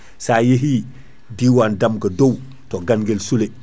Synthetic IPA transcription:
saːjeɦi | diwandamkɐdow | toɡanɡelsule

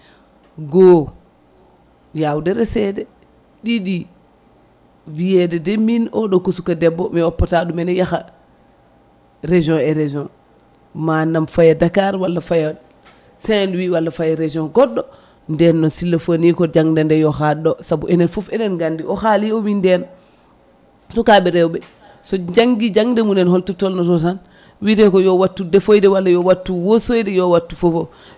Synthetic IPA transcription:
ɡo | jawudɛɾɛsɛdɛ | ɗiɗi | vijedɛdɛminɔɗɔkusukadɛbːɔmiɔpːataɗumɛnɛjaxa | ɾeʒɔ̃ɛɾed͡ʒɔ̃ | manːamfajadakaɾwalːafaja | sɛnwiwalːafajaɾed͡ʒɔ̃nɡɔɗːɔ | ndɛnːɔnsilːafonikɔd͡ʒaŋdɛndɛjɔhaɗɔsabuʔɛnɛnfɔfɛnɛnɡandiɔhaliɔwindɛn | sɔkaɓɛɾɛwbɛ | sɔd͡ʒaŋɡid͡ʒaŋdɛmunɛnhɔltɔtɔlnɔtɔtan | wiɾɛkɔjɔwatːudɛfojdɛwalːajɔwatːuwosojdɛjɔwatːufofɔ

